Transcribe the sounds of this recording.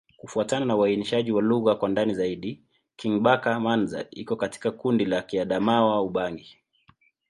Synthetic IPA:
kufuatananawainiʃaʄiwaluɣakwandanizaiɗi | kiŋɓakamanza̰ikɔkati̥kakundilakiaɗamawauɓaŋɡi

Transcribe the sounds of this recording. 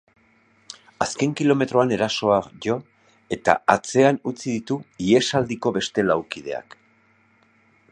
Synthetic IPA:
aske̞ŋkilo̞me̞t̪ɾo̞ane̞ɾaso̞aʝo̞ | e̞t̪a̰at͡se̞anut͡siðit̪uie̞sald̪iko̞βe̞st̪e̞lawkið̞e̞̰a̰k

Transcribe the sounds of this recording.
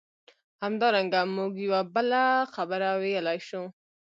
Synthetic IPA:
hamd̪ɑɾaŋɡamuɡjawabəlaxabəɾawelɑjʃu

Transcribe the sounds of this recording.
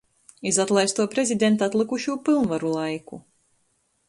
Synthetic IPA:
izat̪lˠajst̪uɔpɾezʲid̪ʲɛnt̪at̪lˠɨkuʃuːpilˠnvaɾulˠajku

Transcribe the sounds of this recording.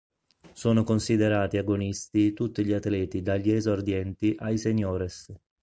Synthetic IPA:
soːnokonsid̪eɾaːt̪iaɡonist̪it̪ut̪ːiʎiat̪lɛːt̪id̪aʎːɛzord̪jɛnt̪iʔajseɲːoːɾɛs

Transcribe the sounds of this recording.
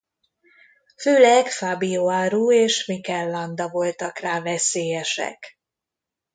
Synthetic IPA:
føːlɛɡfaːbijoːaːɾuːeːʃmikɛlːɒnd̪ɒvo̞lt̪ɒkraːvɛseːjɛʃɛ̰k

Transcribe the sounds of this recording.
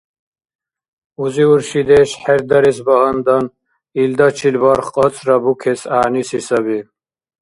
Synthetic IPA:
uziuɾʃid̪ɛʃħɛɾd̪aɾɛsbaɦand̪an | ild̪at͡ʃʰilvaɾχqʼɑt͡sʼɾabukʰɛsaʕnisisabi

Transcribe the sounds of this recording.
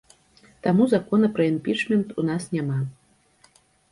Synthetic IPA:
t̪amuzakɔnɐpɾɐimpʲit͡ʂmʲɛnt̪unasnʲama

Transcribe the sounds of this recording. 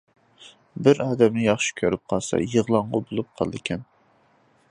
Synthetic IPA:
bɪɾɑːd̪ɛmnɪjɑχʃi̥kʲʰøɾɪp̚qʰɑlˠsɑ̰jəʁlˠɑɴʁɑbolˠup̚qʰɑ̰lˠɨd̪ɪkʲʰɛn

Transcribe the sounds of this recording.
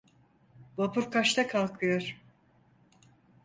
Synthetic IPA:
bapʰuɾkʰaʃt̪ʰakʰalˠkʰɯjoɾ̥

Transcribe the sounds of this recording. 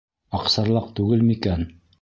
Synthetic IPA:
ɑqsɑɾlˠɑq̚t̪ʉɡɘlmikæn

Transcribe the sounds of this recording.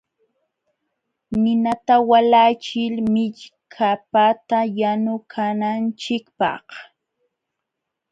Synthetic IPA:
nɪnat̪awalat͡ʃɪlmɪʎkʰapat̪ajanʊkʰanant͡ʃɪkpɑ̰h

